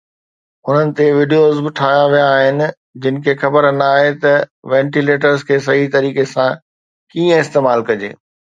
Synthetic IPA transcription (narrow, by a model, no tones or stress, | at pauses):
ʊn̤ənɪ̆t̪eʋɪɖijoːzbɪʈʰaːjãʋijãːɦɪnɪ̆ | d͡ʑɪnɪ̆kʰeːxɐbəɾənaːɦet̪ɐʋɛ̃ːɳʈileːʈ̬əɾzkʰeːs̬ɐɦit̪ɐɾiːkesã | kiːə̃ɪst̪eːmaːlkɐd͡ʑḛː